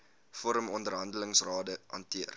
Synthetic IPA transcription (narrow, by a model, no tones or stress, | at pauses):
fɔɾəmɔndərɦɐndələŋsrɑːdəɐ̰ntiər